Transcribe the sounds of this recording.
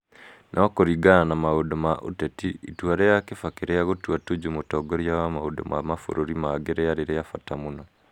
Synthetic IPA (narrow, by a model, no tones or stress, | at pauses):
nʔaɔkoɾiɡananamaodomaʔo̰tetiʔitwaɾejakefakeɾejaɣotuatod͡ʒumotɔːɡoɾjawamaodo̰mʔamafo̰ɾoɾimaɡeɾejaɾeɾejafatamunɔ